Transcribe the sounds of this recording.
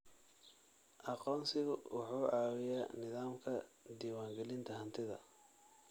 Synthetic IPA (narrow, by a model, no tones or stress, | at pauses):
ʔɑqɔːnsɪɣʊwʔɑħuːʕɑːwɪjaːnɪðaːmkʰɐd̪iːwaːŋɡɛlɪnt̪ʰɐɦɐnt̪ʰɪðɐ̰